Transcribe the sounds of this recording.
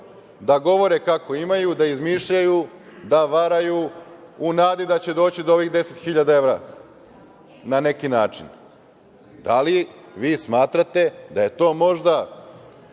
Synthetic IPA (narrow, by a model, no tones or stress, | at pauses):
d̪aɡo̞ʋo̞ɾekako̞imajud̪aizmiːʃʎajud̪aʋaɾajuː | naːd̪id̪at͡ɕe̞d̪o̞ːt͡ɕid̪ooʋixd̪e̞se̞t̪xiʎad̪ae̞ʋɾa | nane̞kinaːt͡ʃin | d̪aliʋiːsmaːt̪ɾat̪e̞d̪aje̞t̪o̞ːmo̞ʒd̪a